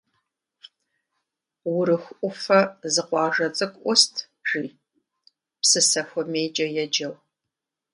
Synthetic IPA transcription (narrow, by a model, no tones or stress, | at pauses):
wʊɾɨxʷʔʷʊfɐzɨqʷɑːʒɐt͡sʼɨkʷʼʔʷɔstʰ | ʒ̥iː | psɨsɐxʷɔmeːd͡ʒʼɐjɛd͡ʒɐw